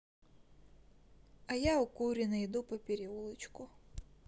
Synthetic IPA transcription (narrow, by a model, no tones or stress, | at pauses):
ɐjaukuɾʲɪnɐjd̪upɐpʲeɾʲiulˠɪt͡ʃkʊ